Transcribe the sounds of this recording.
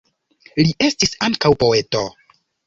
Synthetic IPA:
liʔe̞stisaŋkawpo̞e̞to

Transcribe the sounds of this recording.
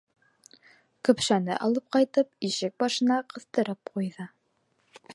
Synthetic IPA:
kɵ̆pʃænɘ̰ʔɑlˠɤp̚qɑjt̪ɤpiʃɘk̚bɑʃɤ̆nɑqɤ̆θt̪ɤ̆ɾɤp̚qujðɤ

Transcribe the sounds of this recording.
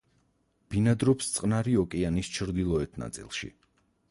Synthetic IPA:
b̥inad̪ɾɔpst̪sʼqʼnaɾiɔkʼɛanist͡ʃʰɾd̪ilˠɔɛt̪ʰna̰t̪sʼḭlˠʃḭ

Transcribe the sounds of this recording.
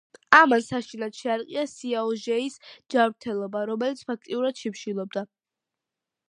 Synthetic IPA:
amansaʃinad̪̥ʃɛaɾiqʼiasiaɔʒɛisd͡ʒavɾt̪ʰɛlˠɔbaɾɔmɛlit̪sʰpʰak̚ʰt̪ʼiuɾad̪̥ʃipʃilˠɔb̚d̪a

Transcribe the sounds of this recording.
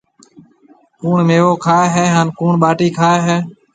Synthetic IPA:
kuːɳmeːʋoːkʰaːeɦeːɦaːnkuːɳɓaːʈiːkʰaːɦeː

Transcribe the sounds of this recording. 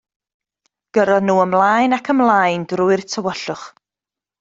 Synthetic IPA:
ɡ̥əɾɔnuːəmlˠajnakʰəmlˠajndrʊɨrtʰəwəɬʊχ

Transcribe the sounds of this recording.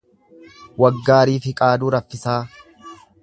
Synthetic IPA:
wɐɡːaːɾiːfɪkʼaːd̪uːɾɐfːɪsaː

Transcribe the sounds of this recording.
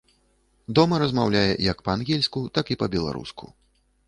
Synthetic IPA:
d̪ɔmɐɾɐzmawlʲajɛ̰jɐkpɐanɣʲɛlʲskut̪akipɐbʲɛlˠa̰ɾṵskʰṵ

